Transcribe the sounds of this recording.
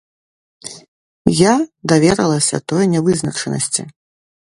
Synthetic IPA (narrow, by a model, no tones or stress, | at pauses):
jad̪avʲɛɾɐlˠɐsʲɐ̰t̪ɔjnʲɛvɨznɐt͡ʂɛnɐ̰sʲt͡sʲḭ